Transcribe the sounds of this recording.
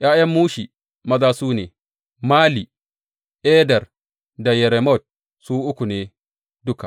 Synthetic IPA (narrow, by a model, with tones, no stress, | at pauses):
jʔaː˦jɐ˦mːuː˦ʃi˨ | mɐ˦zaː˦suː˦neː˨ | maː˦li˨ | ʔeː˦dɐ˨r | da˨jɛ˨ɾɛ˨mɔ˦˨t̚ | suː˦ʔʊ˦kʷu˨neː˦ | dʊ˦ka˨ʔ